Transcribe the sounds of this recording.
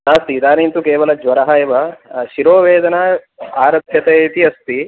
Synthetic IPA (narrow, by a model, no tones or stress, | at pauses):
naːst̪id̪aːnint̪ukeːʋɐlɐd͡ʒʋɐɾɐɦɐjʋɐʃiɾoːʋeːd̪ɐna | aːɾɐbʰjɐt̪et̪iɐst̪i